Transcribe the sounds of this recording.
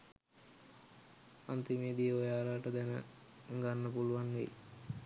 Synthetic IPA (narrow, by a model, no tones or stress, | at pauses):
a̰nt̪imeːd̪ijəojaːlaʈəd̪ænə̰ | ŋɡanːəpuluʋanʋḛ